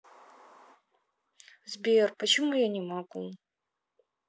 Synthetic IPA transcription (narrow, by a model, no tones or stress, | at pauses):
zbʲerpət͡ɕɪmujanʲɪmakulˠ